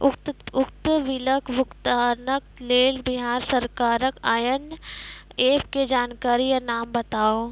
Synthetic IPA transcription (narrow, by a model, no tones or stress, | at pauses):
ʊkt̪ʊkt̪ʋɪləkʰʋʊkt̪aːnək̪̚leːlbɪɦaːɾsɐɾkaːɾəkaːjən | eːpked͡ʒaːnkaːɾijanaːmbɐt̪aːo